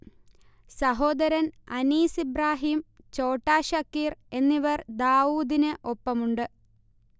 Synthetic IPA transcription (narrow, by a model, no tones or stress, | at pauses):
sɐɦo̞ːd̪ɐɾɐnɐniːsibraːɦiːm | t͡ɕo̞ːʈːaːɕɐkːiːre̞nːiʋɐrd̪aːuːd̪inɨʔo̞pːɐmuɳɖɨ